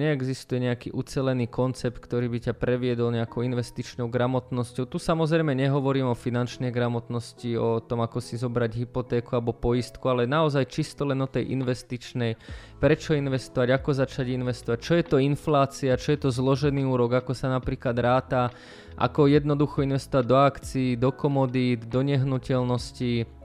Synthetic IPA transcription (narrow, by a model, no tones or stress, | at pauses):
ɲɛɛɡzist̪ujɛɲɛakḭːʔut͡sɛlɛniːkɔnt͡sɛp̚t̪̚kt̪ɔɾiːbicapɾɛʋɪɛd̪ɔlɲɛakɔʊinʋɛst̪it͡ʃnɔʊɡɾamɔt̪nɔscɔʊt̪usamɔzɾɛjmɛɲɛɦɔʋɔɾiːmɔfinant͡ʃnɛjɡɾamɔt̪nɔsciɔt̪ɔmakɔsizɔbɾaɟɦipɔt̪ɛːkualɛbɔpɔjist̪kualɛnaɔzajt͡ʃist̪ɔlɛnɔt̪ɛjʔḭnʋɛst̪it͡ʃnɛj | pɾɛt͡ʃɔinʋɛst̪ɔʋaɟakɔzat͡ʃaɟinʋɛst̪ɔʋac̚t͡ʃɔjɛt̪ɔinflaːt͡siat͡ʃɔjɛt̪ɔzlɔʒɛniːuːɾɔɡakɔsanapɾiːklad̪ɾaːt̪a | ʔa̰kɔjɛd̪nɔd̪uxɔinʋɛst̪ɔʋaɟ̚d̪ɔakt͡siːd̪ɔkɔmɔd̪id̪d̪ɔɲɛɦnucɛlnɔsci